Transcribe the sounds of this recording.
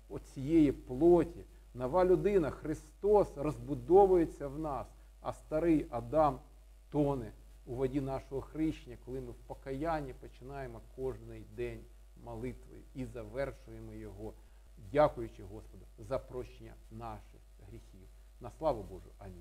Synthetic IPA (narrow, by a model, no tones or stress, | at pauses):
ɔt͡sʲijejiplˠɔtʲi | nɐʋɑlʲʊd̪ɪnɐxɾɪst̪ɔsrɔzbʊd̪ɔʋʊjet͡sʲːɐwnɑs | ɐ̰st̪ɐɾɪjʔɐd̪ɑm | t̪ɔnɪ | uʋɐdʲinɑʃɔɦɔxɾɪʃnʲɐkɔlˠɪmɪwpɔkɐjanʲːipɔt͡ʃɪnɑjemɔkɔʒnɪjd̪ɛnʲ | mɐlˠɪt̪ʋɔ̰jʊ̰izɐʋɛrʃʊjemɔjɔɦɔ | dʲakʊjʊt͡ʃɪɦɔspɔd̪ɐzɐpɾɔt͡ʃnʲɐ̰nɑʃɪx | ɦɾʲixʲiw | nɐslˠɑʋɐbɔʒʊɐnʲi